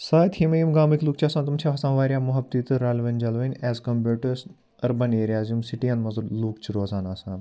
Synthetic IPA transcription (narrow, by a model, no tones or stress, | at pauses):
saːt̪himɐjumɡaːmik̪luːk̚t͡ʃʰiɐsaːnt̪umt͡ʃʰaʋɐsãːnʋaːɾʲjaːmuɦɐb̚t̪iːt̪ɨɾaːlʋɐnd͡ʒɐlʋɐnʲɛːzkɐmbeːʈɐs | ɐɾbɐneːɾijaːzumsiʈijɐ̃nmɐzuluːkt͡ʃʰiɾoːzaːnaːsãː